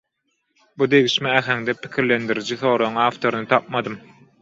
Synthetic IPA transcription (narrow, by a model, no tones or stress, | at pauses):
bud̪e̞ɣiʃmeæxæŋd̪epʰi̥kʲʰiɾle̞nd̪iɾid͡ʒiθo̞ːɾoŋɑːft̪oɾuɯnɯt̪ʰɑp̚mɑd̪ɯm